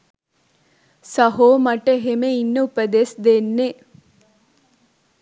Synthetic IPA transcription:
sɐɦoːmɐʈeɦemeinːəupɐd̪esd̪enːe

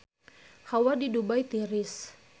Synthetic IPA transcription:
hawadidubajt̪iɾɪs

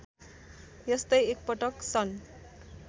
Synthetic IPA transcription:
jʌst̪ʌjek̚pʌʈʌksʌn

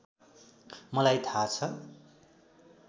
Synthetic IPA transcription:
mʌlajt̪ʰat͡sʰʌ

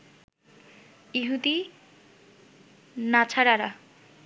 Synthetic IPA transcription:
iɦud̪i | nat͡ɕʰaɾaɾa

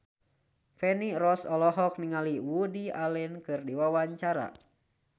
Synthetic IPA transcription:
fɛnirɔsɔlɔɦɔk̚niŋaliwudialɛnkɨrdiwawaɲt͡ʃaɾa̰

